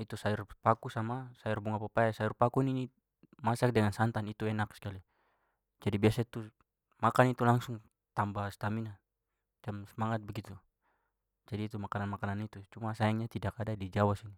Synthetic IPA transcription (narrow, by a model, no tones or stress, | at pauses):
it̪usaurpakusamasaurbuŋapapajasajurpakunini | masak̚dɛŋansant̪anit̪uɛnaksi̥kali | d͡ʒadibiasait̪u | makanit̪ulaŋsuŋ | t̪ambahst̪amina | d͡ʒamsəmaŋat̪̚bɛɡit̪u | d͡ʒadiːt̪umakananmakananit̪ut͡ʃumasajaŋɲat̪idakadadid͡ʒawasini